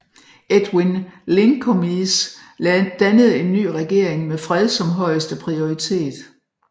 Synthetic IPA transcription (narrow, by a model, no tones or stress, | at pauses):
ed̥winleŋkʰomis | d̥ænəð̞̩ˠe̝nːy̰ːʁɛɡ̥e̝ɐ̰eŋmefʁɛð̞ˠsɒ̽mɦɒ̽ɪ̰əsd̥əpʰʁio̝it͡sʰe̝̰ːd̥